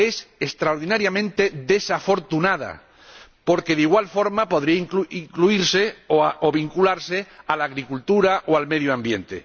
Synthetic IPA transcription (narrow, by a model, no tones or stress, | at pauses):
esest̪ɾaoɾðinaɾjamẽnt̪e̞ðe̞safo̞ɾt̪unað̞a̰ | po̞ɾke̞ðiɣwalfo̞ɾmapo̞ðɾiaiŋkuiŋkluiɾse̞oaoβiŋkulaɾse̞alaːɣɾikult̪uɾaʔoalmeðjoãmbje̞nt̪e̞̰